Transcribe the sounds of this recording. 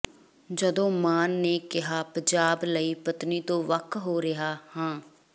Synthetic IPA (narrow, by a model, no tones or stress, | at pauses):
d͡ʒəd̪õːmaːnːeːkɪɦaːpəɲd͡ʒaːbləiːpət̪niːt̪õːʋəkʰɦoːɾɪɦaːhãː